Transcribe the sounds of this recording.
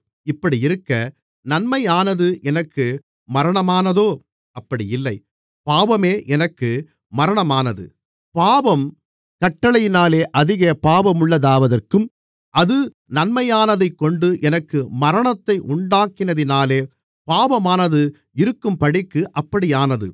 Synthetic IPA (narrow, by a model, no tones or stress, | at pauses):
ɪpːɐɽiɪɾɯkːɐ | nɐnmɐjaːnɐðɯʔɛnɐkːɯ | mɐɾɐɳɐmaːnɐðoː | ɐpːɐɽɪjɪlːɐɪ | paːʋɐmeːʔɛnɐkːɯ | mɐɾɐɳɐmaːnɐðɯ̰ | paːʋɐm | kɐʈːɐɭɐjɪnaːleːʔɐðɪɣɐpaːʋɐmʊɭːɐðaːʋɐðɐrkɯm | ʔɐðɯ | nɐnmɐjaːnɐðɐɪkːɔɳɖɯʔɛnɐkːɯmɐɾɐɳɐt̪ːɐɪʔʊɳɖaːkɪnɐðɪnaːleː | paːʋɐmaːnɐðɯ | ɪɾɯkːɯmpɐɽɪkːɯʔɐpːɐɽɪjaːnɐðɯ̰